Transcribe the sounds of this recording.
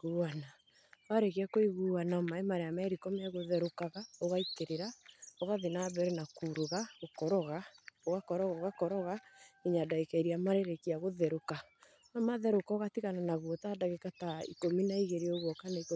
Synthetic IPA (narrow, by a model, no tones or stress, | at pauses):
ɣuana | aɾekiakoiɣuanamaemaɾeamaɾikɔmeaɣoðɛɾokaɣaɔɣaiteɾeɾaɔɣaðenaβɛɾɛnakuɾoɣaɣokɔɾɔɣaoɣakɔɾɔɣɔɣakɔɾɔɣaeɲadaekɛɾiamaɾeɾekiaɣoðɛɾoka | namaðɛɾokaɔɣatiɣananaɣwɔtaːdaɣekataḭkominaiɣeɾeɔɣwɔkanaiko